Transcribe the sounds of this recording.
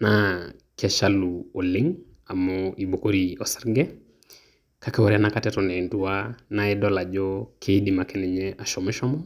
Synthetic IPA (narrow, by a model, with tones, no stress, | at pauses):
nakɛ˨ʃaluo˨lɪ˦ŋ | a˨mɔi˨bo˨ko˦ɾio˨sɛ˦ɾɡɛ˦ | ka˦kɛ˦wɔ˨ɾɛ˦anakatɛtɔ˨nɛ˨ndu˦anaɛdɔla˨d͡ʒɔkʰe˦di˨ma˨kɛ˦nɛ˨ɲɛʔa˨ʃɔ˨mɛ˦ʃɔ˦mɔ˦